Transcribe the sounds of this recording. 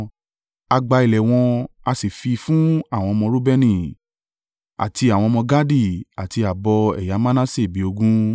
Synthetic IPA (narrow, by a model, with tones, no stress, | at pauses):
a˧ɡ͡ba˧i˨lɛ˨w̃ɔ̃˧a˧si˨fi˧fũ˦a˦˨w̃ɔ̃˧mɔ̃˧ɾu˦bɛ˦nĩ˧ | a̰˨tʰi˧a˨w̃ɔ̃˧mɔ̃˧ɡa˦di˦˨a˨ti˧a˨bɔ˧ɛ̰˨ja˨˦mã˦nã˦se˦˨bi˨˦o˧ɡũ˦